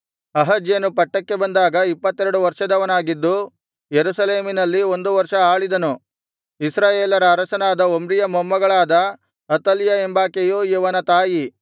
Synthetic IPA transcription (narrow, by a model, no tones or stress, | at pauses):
ɐɦɐd͡ʒjenupɐʈːɐkːe̞bɐnd̪aːɡɐipːɐt̪ːeɾɐɽuʋɐɾʂɐd̪ɐʋɐnaːɡid̪ːu | jeɾusɐle̞ːminɐlːio̞nd̪uʋɐɾʂɐaːɭid̪ɐnu | isɾaːjeːlɐɾɐːɾɐʃɐnaːd̪ɐomɾijɐmɔmːɐɡɐɭaːd̪ɐ | ɐt̪ɐljɐembaːkejoːjuʋɐnɐt̪aːji